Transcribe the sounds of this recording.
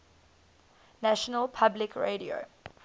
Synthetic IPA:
næʃənəlpʰablɪkʰɹḛɾio̰

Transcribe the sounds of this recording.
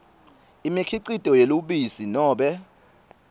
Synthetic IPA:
imikʰiǀitʼɔjeluɓisinɔːɓɛ

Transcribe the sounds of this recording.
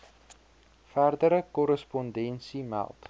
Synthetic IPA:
færdəɾəkɔɾəspɔndɛnsimæ̰lˠt

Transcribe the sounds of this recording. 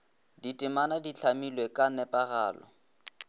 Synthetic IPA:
ditʼɪmanadit͡ɬʰamilwekʼanɛpʼaɣaːlɔ̰

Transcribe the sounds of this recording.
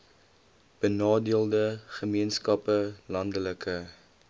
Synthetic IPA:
b̥ənɑːdiəlˠdəχəmiənskɐpəlɐndələkə

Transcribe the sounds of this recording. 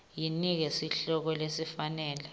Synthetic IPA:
jinik̬ɛsiɬɔk̬ɔlesifanɛːlɛ

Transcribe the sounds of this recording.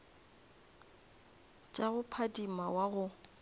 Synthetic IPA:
t͡ʃʼaɣʊpʰadimawaɣʊ

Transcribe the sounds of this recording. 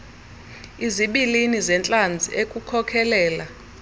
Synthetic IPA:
iziɓilinizɛnt͡ɬʼand͡zʱiekʼukʰɔkʰɛlɛːla

